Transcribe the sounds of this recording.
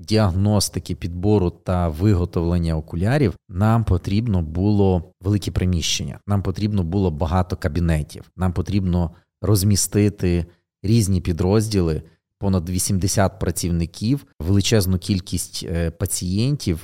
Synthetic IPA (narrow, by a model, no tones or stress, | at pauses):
dʲiɐɦnɔst̪ɪkɪpʲid̪̚bɔɾʊt̪ɐʋɪɦɔt̪ɔʋlˠenʲːɐɔkʊlʲɑɾʲiwnɑmpɔt̪ɾʲibnɔbulˠɔʋelˠɪkɛpɾemʲiʃt͡ʃenʲːɐ̰nɑmpɔt̪ɾʲibnɔbulˠɔbɐɦɑt̪ɔkɐbʲinɛtʲʰḭwnɑmpɔt̪ɾʲibnɔ | rɔzʲmʲist̪ɪt̪ɪ | ɾʲizʲnʲipʲid̪ɾɔzʲdʲilˠɪ | pɔnɐd̪ʋʲisʲimd̪esʲat̪̚pɾɐt͡sʲiwnɪkʲʰiwʋelˠɪt͡ʃɛznʊkʲilʲkʲisʲtʲpɐt͡sʲijɛnʲtʲiw